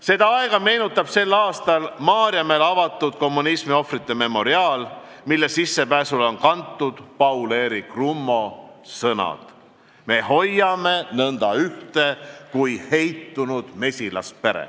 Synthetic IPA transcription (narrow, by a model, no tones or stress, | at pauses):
se̞d̪ɑɑe̞ɡ̥ɑme̞ːnut̪ːˑɑb̥se̞lːɑːst̪ɑlmɑːɾjɑme̞lɑvɑt̪ːˑud̪̥ko̞mːunismio̞frit̪ːe̞me̞mo̞ɾiɑːl | milːe̞sisːe̞pæːsulonkɑnt̪ːˑud̪̥pɑwle̞ːɾikrumːo̞ | sɤnɑ̰d̪̥ | meho̞jːɑme̞nɤnd̪ɑyht̪e̞kujhe̞jt̪ːunud̪̥me̞sʲilɑ̰s̚pe̞ɾḛ